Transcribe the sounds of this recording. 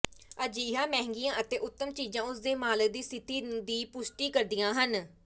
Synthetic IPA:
əd͡ʒiːɪɦãːmɛ̃ːɦŋɡijãːʔət̪eːʔʊt̪ːəmt͡ʃiːd͡ʒãːʊsd̪eːmaːlək̚d̪iːsɪt̪iːd̪iːpʊsʈiːkəɾd̪ɪjãːɦən

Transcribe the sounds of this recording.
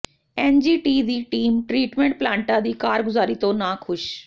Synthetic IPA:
eːnd͡ʒiːʈiːd̪iːʈiːmʈɾiːʈmẽɳʈ̚plãːɳʈãd̪iːkaːɾɡʊzaːɾit̪õnakʰʊʃ

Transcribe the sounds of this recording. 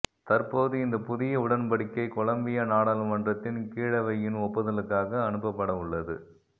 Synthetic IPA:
t̪ɐrpoːðɯɪnd̪ɐpʊðɪjɐʊɽɐnpɐɽɪkːɐɪkʊɭɐmbɪjɐnaːɽaːlɯmɐndrɐt̪ːɪnkiːɻɐʋɐjɪnɔpːɐðɐlɯkːaːɣɐːnɯpːɐpːɐɽɐʊɭːɐðɯ̰

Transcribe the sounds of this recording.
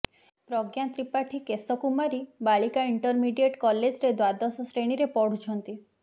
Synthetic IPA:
pɾɔɡjant̪ɾipaʈʰikesɔkumaɾibaɭikaiɳʈɔɾmiɖijeʈkɔled͡ʒɾed̪wad̪ɔsɔsɾeɽ̃iɾepɔɽ̤ut͡ʃʰɔnt̪i

